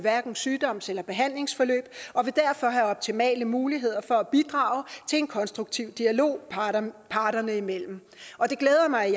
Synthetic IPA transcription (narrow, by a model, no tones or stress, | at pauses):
ʋæɐɡ̥n̩syːd̥ɒ̽m̰selɐb̥e̝ɦæn̰le̝ŋsfɒ̽lø̰ːb̥ʔɒ̽ʋe̝d̥æɐfɒ̽ɦæɒ̽b̥̚t͡sʰimɛ̰ːləmuːliɦe̝ð̞̰ˠɐfɒ̽æb̥id̥ʁɑ̈ʊt͡sʰe̝le̝nkʰɒ̽nsd̥ʁuɡ̥t͡sʰiʊ̰d̥iælo̝̰ːpʰɑ̈ːd̥ɐnəimel̰m̩ | ʔɒ̽d̥e̝ɡ̥leːðˠɐmɑ̈ɪ